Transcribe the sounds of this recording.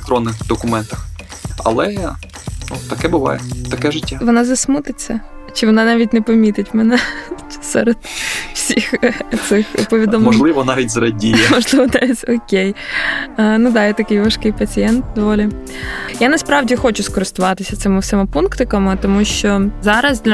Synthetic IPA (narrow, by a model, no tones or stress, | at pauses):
kt̪ɾɔnːɪxd̪ɔkʊmɛnt̪ɐ̥xɐ̰lˠɛ | nut̪ɐkɛbɪʋɑ̰jɛt̪ɐkɛʒɪtʲːaʋɔnɑzɐsmut̪ɪt͡sʲːɐt͡ʃɪʋɔnɑnɑʋʲitʲnɛpɐmʲit̪ɪtʲmɛnɛ | sɛɾed̪̥w̥sʲixt̪sɪxpɔʋʲid̪ɔmmɔʒlˠɪʋɔnɑʋʲitʲzɐɾɐdʲijɛmɔʒlˠɪʋɔnɑʋʲitʲɔkʲej | nud̪ɑjɛt̪ɐkɪjʋɐʃkɪjpɐt͡sʲijɛnt̪̚d̪ɔʋɔlʲi | janɐspɾɑʋdʲixɔt͡ʃʊskɔɾɪst̪ʊʋɑt̪ɪsʲɐt̪sɪmɪftsɛmɪpunkt̪ɪkɐmɪt̪ɔmuʃt͡ʃɔzɑɾɐzd̪ʲlʲɐ